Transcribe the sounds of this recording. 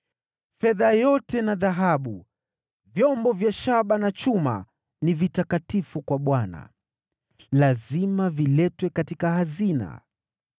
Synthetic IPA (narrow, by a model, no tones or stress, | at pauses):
fɛðajɔtɛnaðaɦaɓu | vjɔmbɔvjaʃaɓanat͡ʃuma̰ | nivitakatifukwaɓwana̰ | lazimavilɛtwɛkatikahazina̰